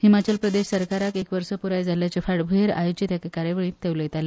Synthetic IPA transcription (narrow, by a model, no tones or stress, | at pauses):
himat͡ɕəlpɾəd̪eɕsəɾkaɾakekʋəɾsəpuɾajd͡zʱaljat͡ɕefaɽbʱuɦeɾa̰jod͡ʑit̪jakekaɾjəʋəɭĩːt̪eʋləjt̪ale